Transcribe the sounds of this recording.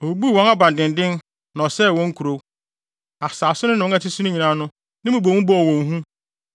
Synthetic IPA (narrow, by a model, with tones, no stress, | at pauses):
o˨˦bu˦˨wɔ̃˦na˦bã˨n˨dɪ̃˨n˨dɪ̃˦n | nɔ̃˨sɛ˦˨wɔ̃˦ŋ̩˦kʰu˨ɾo˦ | a˨saː˨sʊ˦nʊ̃˦nʊ̃˨˦a˦tɪ˦su˦ʊ̃˦ɲĩ˨nã˨˦nʊ̃˦ | nɪ̃˦mũ˨bo˨wũ˦bɔ˦ɔ˨wɔ̃˨ŋɦũ˦